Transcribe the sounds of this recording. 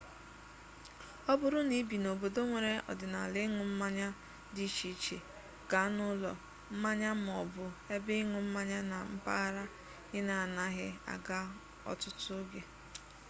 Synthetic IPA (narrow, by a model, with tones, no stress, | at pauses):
ɔ˦bʊ˨ɾʊ˦ni˦bi˨no˨bo˨do˦ŋʷe˨ɾe˦ʔɔ̰˨dɪ˨na˨lɪ˦ŋʊ˨m̩˦ma˦ɲa˦ | di˦t͡ʃi˦t͡ʃḛ˨ | ɡ̥a˨˦nʊ˦lɔ̰˨ | m̩˦ma˦ɲa˦m˨ɔ˨bʊ˨e˦bɪ˦ŋʊ˨m̩˦ma˦ɲa˦na˨m̩˦pa̰˦ɣa˦ɾa˦ | ɣɪ˦na˨a˨na˦ɣɪ˦a̰˨ɡa˦ | ɔ̰˨tʊ˦tʊ˦ɡe˨